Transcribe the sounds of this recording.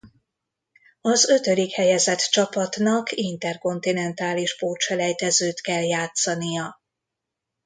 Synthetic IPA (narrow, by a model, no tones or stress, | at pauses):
ɒzø̞t̪ød̪ikhɛjɛzɛt̪t͡ʃɒpɒt̪nɒkint̪ɛrko̞nt̪inɛnt̪aːliʃpoːt͡ʃɛlɛjt̪ɛzøːt̪kɛljaːt̪sɒnijɒ